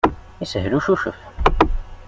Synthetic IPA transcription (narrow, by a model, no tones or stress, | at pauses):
isəɦɾuʃuʃə̰f